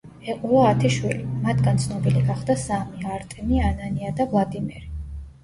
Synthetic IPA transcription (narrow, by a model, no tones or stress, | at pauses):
ɛqʼulɔat̪ʰiʃwilimat̪ʰɡant̪sʰnɔbiliɡaχd̪asamiaɾt̪ʼɛmiananiad̪avlˠad̪imɛɾi